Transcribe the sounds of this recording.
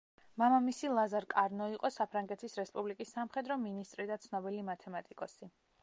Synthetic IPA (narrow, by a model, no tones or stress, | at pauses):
mamamisilˠazaɾkʼaɾnɔiqʼɔsapʰɾaŋɡɛt̪ʰisɾɛspʼublikʼisːamχɛd̪ɾɔminist̪ʼɾid̪at̪sʰnɔbilimat̪ʰɛmat̪ʼikʼɔsi